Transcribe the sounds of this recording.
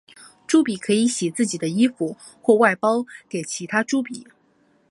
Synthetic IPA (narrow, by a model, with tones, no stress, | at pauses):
ʈ͡ʂu˥pi˨˩kʰɤ˧˥i˧˥ɕjɛ˨˩t͡sɹ̩˥˩t͡ɕi˨˩d̪ə˦i˥fu˨˧˦ | xwɔ˥˧wa˥˩ɪpɑ˥ʊke˨˩ɪt͡ɕʰi˧˥t̪ʰa˥ʈ͡ʂu˥pi˨˩˦